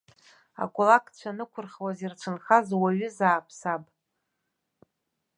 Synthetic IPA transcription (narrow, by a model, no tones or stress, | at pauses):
a̰kʷʼʊlakʰʼt͡ɕʷʰanɨkʷʰʊrχwazirt͡ʃʷʰɨnχazwaɥʏzaːpʰsapʼ